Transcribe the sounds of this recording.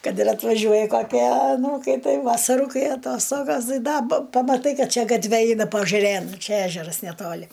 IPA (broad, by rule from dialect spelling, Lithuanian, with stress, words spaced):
ˈkɐt ɪr ɐtʋɐˈʒʲuɔjɛ kɐˈkʲiɛ ɐˈnuːkɐɪ ˈtɐɪ ʋɐsɐˈrʊ ˈkɐɪ ɐˈtoːstoːɡɐs ˈtɐɪ ˈdɐ pɐmɐˈtɐɪ ˈkɐt ˈt͡ʃʲɛ ɡɐtʲˈʋʲɛ ˈɛɪnɐ pɐɐʒɐˈrʲeːn ˈt͡ʃʲɛ ˈæːʒʲɛrɐs nʲɛˈtoːlʲɪ